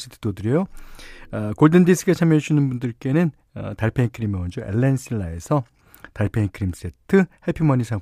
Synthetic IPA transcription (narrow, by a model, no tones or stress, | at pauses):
s͈ʰɯ̥tʰɯ̥dodɯɾejo | ʌkoɭdɯndisʰɯɡat͡ɕʰamjʌɕʰinɯnbundɯɭk͈e̞nɯn | ʌ̰taɭpʰeinkʰɯɾimeund͡ʑoʔḛɭːensʰiɭːae̞sʰʌ | taɭpʰeinkʰɯɾims͈e̞tʰɯheɭpʰimʌɲisʰa